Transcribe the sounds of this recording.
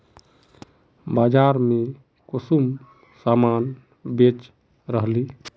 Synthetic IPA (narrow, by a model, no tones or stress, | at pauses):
bad͡ʒaɾme | kosum | saman | bet͡ʃ | ɾəɦli